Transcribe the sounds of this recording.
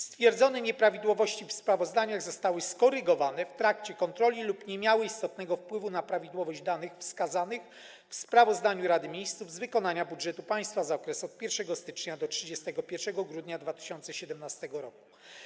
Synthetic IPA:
st̪fʲjɛɾd̪zɔnɛɲɛpɾavʲid̪wɔvɔɕt͡ɕifspɾavɔzd̪aɲaɣzɔst̪awɘskɔɾɘɡɔvanɛft̪ɾakt͡ɕɛkɔnt̪ɾɔlʲilupɲɛmʲjawɘist̪ɔt̪̚nɛɡɔfpwɘvunapɾavʲid̪wɔvɔʑd͡ʑd̪anɘxfskazanɘx | fspɾavɔzd̪aɲuɾad̪ɘmʲjejst̪suvzvɘkɔnaɲabudʐɛt̪upaj̃st̪fazaɔkɾɛsɔt̪̚pʲjɛɾfʂɛɡɔst̪ɘ̥t͡ʂɲad̪ɔtʂɘd͡ʑɛst̪ɛɡɔpʲjɛɾfʂɛɡɔɡɾud̪ɲad̪vat̪ɘ̥ɕɔnt̪sɛɕɛd̪ɛmnast̪ɛɡɔɾɔku̥

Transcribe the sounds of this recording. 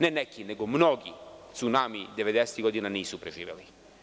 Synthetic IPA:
nɛnɛkːinɛɡɔmnɔːɡit̪sunaːmid̪ɛvɛd̪ɛst̪iɡɔd̪inaniːsupɾɛʒḭvɛ̰li

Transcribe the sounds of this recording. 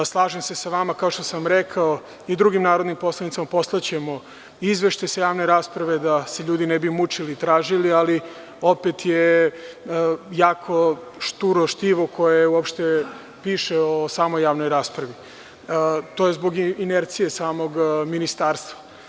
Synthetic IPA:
slˠaːʒemse̞saʋamakaoʃt̪osamɾekʰao | id̪ɾuɡimnaːɾod̪nimpo̞slanit̪amapo̞slˠat͡ɕe̞mo | izʋeʃt̪ajsajaːʋno̞ɾaːspɾaʋe̞d̪ase̞ʎuːd̪inɛbimut͡ʂilit̪ɾaːʒiliali | o̞pet̪je | jaːkʰo̞ʃt̪uɾoʃt̪iʋo̞kʰo̞jeuopʃt̪e | piːʃeosaːmojːaːʋnojɾaːspɾaʋi | t̪oːjezbo̞ɡineɾt̪sije̞saːmo̞ɡminist̪aːɾst̪ʋa

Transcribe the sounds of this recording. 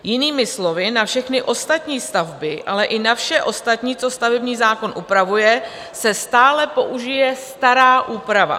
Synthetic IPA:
jɪniːmɪslo̞vɪnafʃɛxnɪʔo̞st̪at̪ɲiːst̪avbɪʔalɛʔɪnafʃɛʔo̞st̪at̪ɲiːt͡so̞st̪avɛbɲiːzaːko̞nʔupɾavujɛ | sɛst̪aːlɛpo̞ʔuʒɪjɛst̪aɾaːʔuːpɾava̰

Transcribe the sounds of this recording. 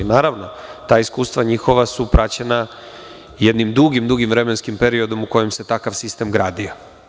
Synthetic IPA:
naːɾaʋno̞t̪aːiskuːst̪ʋaɲixo̞ʋasupɾʔat͡ɕena | jed̪nimd̪uɡimd̪uɡimvɾe̞menskimpeɾio̞d̪o̞muko̞jemse̞t̪akaʋsist̪e̞mɡɾaːd̪io

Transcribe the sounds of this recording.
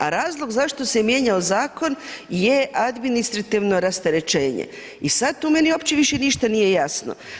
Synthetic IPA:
a̰ɾaːzlˠo̞ɡzaʃt̪o̞semje̞ɲaozaːko̞njeʔad̪minist̪ɾat̪iʋno̞ɾast̪eɾe̞t͡ʃe̞ːɲḛ | isad̪t̪umeniopt͡ɕeʋiʃeniʃt̪anije̞jasno̰

